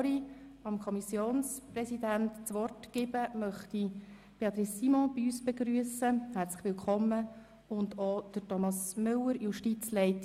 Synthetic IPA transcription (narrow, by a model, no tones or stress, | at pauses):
ɾiɑmkʰɔmisjoːnsprɛsidæntt͡sʋɔrtɡ̥ɪbəmœχti | peɑt̪ɾisːimɔ̃b̥iyːsb̥eɡɾyəsəhæɾt͡slə̥χʋɪlkʰɔmːə | ʊndod̥əɾtɔmɑsmʏlːəɾjuʃtit͡slɛɪt